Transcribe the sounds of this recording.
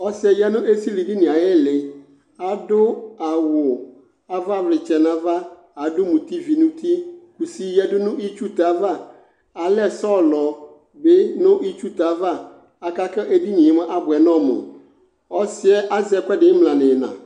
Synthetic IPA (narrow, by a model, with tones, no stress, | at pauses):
ɔ˦sɪ˨˦ɛ˨jɛ˦nʊ̃˦ʔe˦si˦li˨di˦nɪ̃˨a˨jɛ˦lɪ˨ | a˨dʊ˦a˨wʊ˨ | a˨va˦˨vlɪ˨t͡ʃɛ˨nã˨va˦ | a˨dʊ˦mũ˨t̪i˦vi˨nũ˦t̪i˦ku˨si˦jɛ˦dʊ˦nʊ̃˦i˦t͡ʃu˦t̪a˨˦va˦˨ | a˨lɛ˦sɔ˦˨lɔ˨ | bɪ˦nʊ̃˦ʔi˦t͡ʃu˦t̪a˨˦va˦˨ | a˨ka˦kɛ˦ʔe˦di˦ɲĩ˨mɛ̃˦ʔa˦bʊ˨ɛ˨nɔ̃˦˨mʊ̰̃˨ | ɔ˦sɪ˦ɛ˦ʔa˦zɛ˦kɛ˦dɪ̃˨˦mlã˨nɪ̃˨nã̰˨